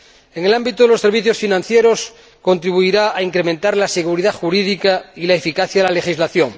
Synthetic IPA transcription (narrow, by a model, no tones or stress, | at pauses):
eŋelambit̪oðelo̞se̞ɾβiθjosfinãnθjeɾos | ko̞nt̪ɾiβ̞uiɾaaiŋkɾemẽnt̪aɾlase̞ɣuɾiðaxuɾiðikailaefikaθjaðelale̞xizlaθjoŋ